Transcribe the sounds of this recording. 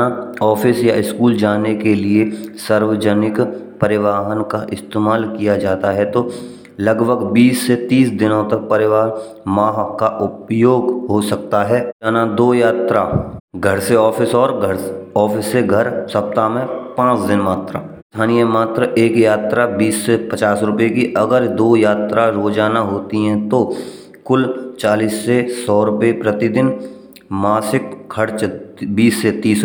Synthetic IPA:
aɔːfʰɪsjaɪskuːld͡ʒaːnekeliesəɾʋəd͡ʒənɪkpəɾɪʋaːɦənkaʔɪst̪eːmaːlkijad͡ʒaːt̪aɦɛt̪o | lɐɡbʱəɡbiːsːet̪iːsd̪ɪnõt̪ɐk̚pɐɾɪʋaːɦmaːɦkaʔʊpjoːɡɦosɐk̚t̪aɦɛːd͡ʒaːnad̪oːjaːt̪ɾaɡʱəɾseɔːfɪsɔːɾɡʱəɾɔːfʰɪsːeɡʱəɾsɐp̚t̪amẽpãːt͡ʃd̪ɪnmaːt̪ɾa | t̪ʰaːnijəmaːt̪ɾəʔeːkjaːt̪ɾabiːsːepət͡ʃaːsɾʊpekiʔɐɡəɾd̪oːjaːt̪ɾaɾoːd͡ʒaːnaɦoːt̪iɦɛ̃t̪o | kʊlt͡ʃaːliːsːesɔːɾʊpepɾət̪ɪd̪ɪn | maːsɪkkʰːɐɾt͡ʃbiːsːet̪iːs

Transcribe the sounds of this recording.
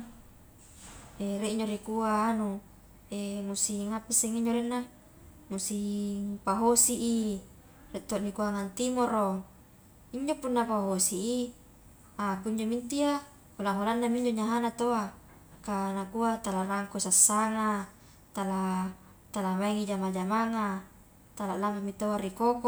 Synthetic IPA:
eɾeʔiɲd͡ʒoɾikuaːnu | emusiŋapiseŋiɲd͡ʒoɾenːa | musiŋpaɦosiʔi | reʔt̪oʔnikuaŋant̪imoɾo | iɲd͡ʒopunːapaɦosiʔi | akuɲd͡ʒomint̪ia | olaŋolanːamiɲd͡ʒoɲaɦanat̪oa | kanakuat̪alaraŋkosasːaŋa | t̪ala | t̪alamaiŋid͡ʒamad͡ʒamaŋa | t̪alaʔlamamit̪oaɾikoko

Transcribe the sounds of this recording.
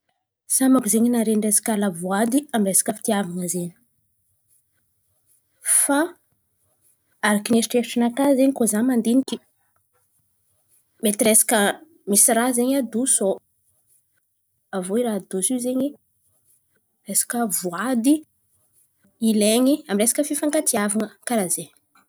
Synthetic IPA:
samakuzeɲinaɾenresḁkalavuad̪iamresḁkəfi̥t̪iavaŋəzeɲi̥ | fa | aɾakinesiʈ͡ʂefiʈ͡ʂinakazeɲikozamand̪inikʲi̥ | met̪iɾesḁkə | misirazeɲad̪uso | avoiɾad̪usizeɲi | resḁkəvuad̪i | ileɲiamiresḁkəfifaŋkat̪iavaŋəkaɾazeɲ

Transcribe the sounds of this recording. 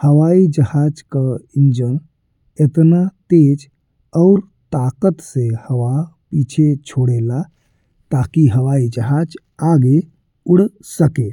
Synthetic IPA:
həʋaid͡ʒəhad͡ʒkəind͡ʒən | et̪nat̪ed͡ʒ | ɔʊɾ | t̪akət̪sehəʋapiːt͡ʃʰet͡ʃʰoɽela | t̪akiɦəʋaid͡ʒəɦad͡ʒ | aɡe | uɽ̤ | səke

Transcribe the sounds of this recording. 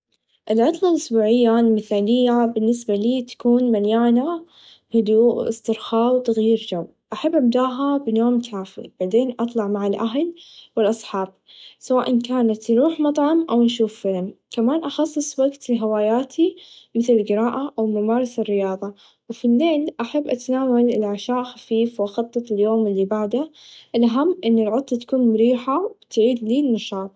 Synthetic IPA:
ʔɪlʕɑt̪ˤlɑlʔʊsbuːʕɪjːalmɪθaːlɪjːabɪnːɪsbaliːt̪ḁkuːnmanjaːna | hʊd̪uːʔʔɪ̰st̪ɪɾxaːwt̪aɣjiːɾd͡ʒaw | ʔaħabːʔab̚d̪aːʔɦabɪnoːmkʰaːfḭb̥aʕd̪eːnʔɑt̪ˤlɑʕmaʕalʔaɦlwɪlʔɑsˤħɑːb̚ | sawaːʔankaːnat̪nɾuːħmɑt̪ˤʕɑmʔawnʃ̬uːfːɪlmkamaːnʔɑxɑsˤːɨsˤwaɡt̪ɦawaːjaːt̪ʰimɪθlɪlɡɪɾaːʔaʔawmamaːɾˤɑsɪrːɪjɑːðˤɑ | wfilːeːlʔaħabːʔat̪naːwalɪlʕaʃaːʔxafiːfwʔxɑt̪ˤːɑt̪ˤɪljoːmɪlːibaʕd̪aʔɪlʔaɦamːʔɪnːɪlʕʊt̪ˤːɑt̪ḁkuːnmʊɾiːħawɪt̪ʕiːd̪liːnːɑʃɑːt̪̚ˤ

